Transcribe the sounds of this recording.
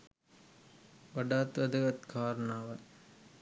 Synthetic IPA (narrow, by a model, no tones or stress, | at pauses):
ʋɐɖaːt̪ʋɐd̪ɐɣɐt̪kʰaːɾɐnaːʋɐ